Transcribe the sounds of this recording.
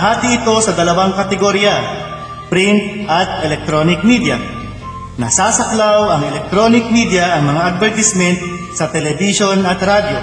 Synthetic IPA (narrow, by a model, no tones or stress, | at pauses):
ɦaːt̪iɪt̪o̞sɐd̪ɐlɐwaŋkɐt̪ɛɡoɾja | pɾɪnt̪̚ʔɐt̪̚ɛlɛk̚t̪ɾonɪk̚mid̪ja̰ | nɐsaːsɐklawɐŋɛlɛk̚t̪ɾo̞ːnɪk̚mid̪jɐʔɐŋmɐŋaʔɐd̪̚vɛɹt̪ɪsmɛnt̪̚ | sɐt̪ɛlɛbɪʃo̞nɐt̪ɾad̪jo